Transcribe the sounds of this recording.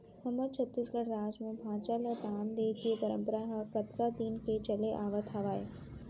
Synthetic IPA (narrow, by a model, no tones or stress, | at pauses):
hɐməɾt͡ɕʰɐt̪ːisɡɐɽɾaːd͡ʒmẽbʱaːt͡ʃalɐd̪aːnd̪eːd͡ʒepɐɾə̃mpəɾaɦɐkɐt̪kad̪iːnket͡ʃɐleʔaːʋət̪ʰɐʋaːeː